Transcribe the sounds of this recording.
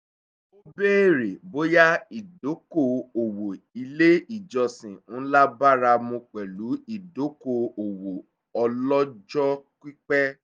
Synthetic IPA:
o˦be˦˨ɾe˨bo˦ja˦i˨do˨˦ko˦˨o˨wo˨i˧le˦i˨d͡ʒɔ˧sĩ˨˦la˦ba˦ɾa˧mũ˧k͡pɛ˨lu˨˦i˦˨do˨˦ko˦˧o˨wo˨ | ɔ˧lɔ˦d͡ʒɔ˦ki˦k͡pɛ˦

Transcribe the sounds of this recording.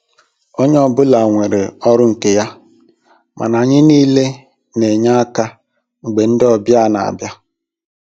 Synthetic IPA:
o˦ɲe˦ɔ˦˨bʊ˦la˨ŋʷe˨ɾe˨ɔ˦ɾʊ˦ŋ̩˨ke˦ja˦ | mʔa̰˨na˨ɲɪ˦niː˦le˦ | ne˨ɲa˦a˦ka˦ | ŋ͡m̩˨ɡ͡be˨n̩˦dɪ˦ɔ˦˨bja˦na̰˨a̰˨bja˦

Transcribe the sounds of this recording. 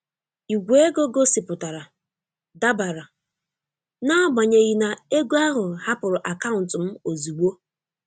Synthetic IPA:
i˨ɡʷe˦e˦ɡo˦ɡo˦si˨pʊ˨ta˨ɾa˨ | da˦ba˨ɾa˨ | na˦ɡ͡ba˨ɲe˨ɣi˨na˨e˦ɡu˦a˦ɦʊ˨ha˦pʊ˨ɾʊ˨ʔa˨ka˦ʊ˨n̩˨tʊ˨m̩˦o˨zi˨ɡ͡bo˦

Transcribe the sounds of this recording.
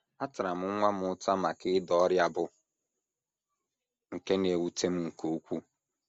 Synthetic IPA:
a˦tɪ˨ɾa˨mʊ˦ŋʷa˦m˦ʊ˦ta˦ma˨kɪ˦dɔ˦ɾja˦bʊ˦ | ŋ̩˨ke˦n˦e˨wu˦te˦m̩˦ŋ̩˨ko˨˦kʷu˦

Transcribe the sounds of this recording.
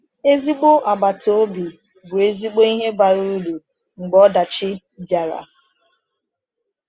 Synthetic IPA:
e˦zi˦ɡ͡bo˦ʔa˨ɡ͡ba˨tʰo˦bi˨ | bʊ˨e˦zi˦ɡ͡bo˦i˦ɦe˦ba˨ɾu˦lu˨ | ŋ͡m̩˨ɡ͡bɔ˦da˨t͡ʃɪ˦ | bja˨ɾa̰˨

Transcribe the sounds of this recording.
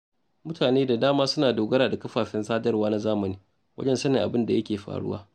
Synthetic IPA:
mʊ˦tʰaː˨neː˦da˨daː˦maː˦sʊ˦naː˨doː˨ɡɐ˦ɾaː˨da˨kɐ˦ɸaː˨ɸɪ˦nsaː˦dɐ˦rwaː˦na˦zaː˦mɐ˨niː˦ | wɐ̰˦d͡ʒɛ˦nsɐ˦nɪ˨ʔa̰˨bɪ˦nda˨jɐ˦kʲeː˨ɸa̰ː˨ɽʊ̰˦wa̰ː˦

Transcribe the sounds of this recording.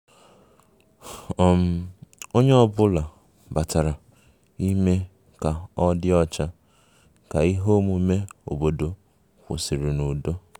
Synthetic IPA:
m̩˦o˦ɲe˦ɔ˦bʊ˦la˨ | ba˨ta˨ɾa˨ | i˦me˦ | ka˨ɔ˦dɪ˦ɔ˦t͡ʃa˦ | ka˨i˦ɦo˦mu˨˦me˦o̰˨bo˦do˦ | kʷʊ̰˨si˨ɾi˨nu˨do˦

